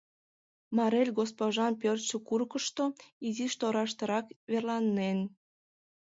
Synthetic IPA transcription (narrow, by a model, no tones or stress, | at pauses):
mɑɾelʲɡospoʒɑnpørt͡ɕəkurkəʃt̪oiziʃt̪oɾɑʃt̪əɾɑkβerlɑnːen